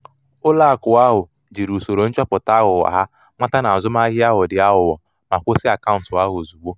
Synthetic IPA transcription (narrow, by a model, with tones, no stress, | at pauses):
ʊ˦la˦˨kʊ˨a˦ɦʊ˨ | d͡ʒi˨ɾu˨so˨ɾo˨n̩˦t͡ʃɔ˦pʊ˨ta˦ɣʊ˨wa̰˨ɦa˦ | ma˦ta˦na˨a˨zʊ˦ma˦ɦɪ˦a˦ɦʊ˨dɪ˨a˦ɦʊ˨wɔ˨ | ma˨kʷo˦sɪ˦a˨ka˦ʊ˨n˨tʊ˨a˦ɦzu˨ɡ͡bo˦